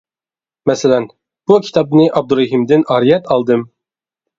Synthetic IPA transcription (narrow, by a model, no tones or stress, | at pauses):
mɛsælæn | b̥ukʲʰi̥t̪ʰɑpnɨʔɑb̚d̪uɾɑɦimd̪ɪnɑɾijɛt̪ɑlˠd̪ɨm